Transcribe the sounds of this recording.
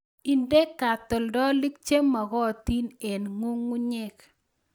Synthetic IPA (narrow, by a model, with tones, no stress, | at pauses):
i˨nde˦kːa˨t̪ɔ˨ldɔ˦li˦k̚t͡ʃe˦mɔ˨ɡɔ˦˨t̪i˦ne˨nŋʊ˦ŋːu˦ɲe˦k